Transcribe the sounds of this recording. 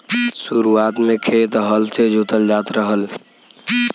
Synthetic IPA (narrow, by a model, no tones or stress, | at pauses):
suɾuat̪mekʰet̪ɦəlt͡ʃʰed͡ʒʱut̪əld͡ʒat̪ɾəɦəl